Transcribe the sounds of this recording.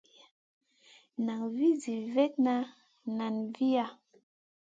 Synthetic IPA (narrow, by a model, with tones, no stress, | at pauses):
na˨ŋvi˦zi˨vɛ˦t̚na˦ | na˨nvi˦a˦˨